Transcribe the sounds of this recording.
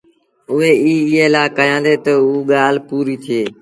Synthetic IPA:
ʊɦeːiːɪɦeːlaːkəjãːnd̪eːt̪əuːɠaːl̤puːɾiːt̪ʰɪeː

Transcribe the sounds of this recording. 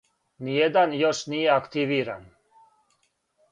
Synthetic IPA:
nijed̪anjoʃnijeakt̪iʋiːɾa̰n

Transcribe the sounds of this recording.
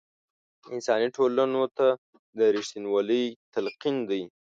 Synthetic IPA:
ɪnsɑniʈʰolanot̪a | d̪əɾɪʃt̪inwɑləjt̪alqind̪əj

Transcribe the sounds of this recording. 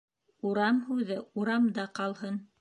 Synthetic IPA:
uɾɑmhʉðɘuɾɑmd̪ɑqɑlˠhɤn

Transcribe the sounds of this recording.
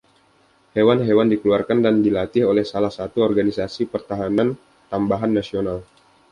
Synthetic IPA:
hewanɦewandikəluarkandandilat̪ɪholɛhsalahsat̪uɔrɡanisasipərt̪aɦanan | t̪ambaɦanːasional

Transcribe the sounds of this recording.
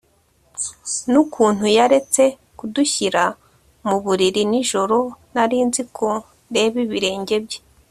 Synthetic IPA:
nukʰuːn̥hujaɾe̞t͡se̞ | kuduçiɾa | muβuɾiɾiniʒo̞ɾo̞naɾiːnzikʰo | nde̞βiβiɾe̞ːɲɟe̞bɟe

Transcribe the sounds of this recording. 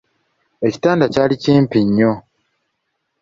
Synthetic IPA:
e̞ci̥taːndacaːliciːmpiɲːo

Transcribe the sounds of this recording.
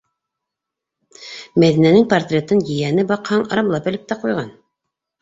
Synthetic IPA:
mæðinænɘŋpɐrt̪rʲet̪ɤnjɘ̆jænɘbɑqhɑŋɑɾɑmlˠɑpɘ̆lɘp̚t̪æqujʁɑn

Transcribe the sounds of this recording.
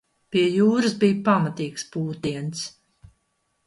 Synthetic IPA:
piɛjuːɾɨsbiːjpamat̪iːkspuːt̪iɛns

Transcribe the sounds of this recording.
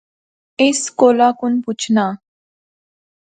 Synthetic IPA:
eskolakunput͡ɕʰna

